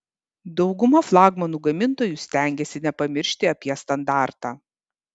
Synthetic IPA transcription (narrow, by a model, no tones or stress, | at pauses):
d̪ɒʊɡʊmɐflˠɑːɡmɐnuːɡɐmʲɪnˑt̪oːjusʲt̪ʲæˑŋʲɡʲɛsʲɪnʲɛpɐmʲɪɾʲʃʲt̪ʲɪɐpʲiɛst̪ɐnd̪ɑˑɾt̪ɑː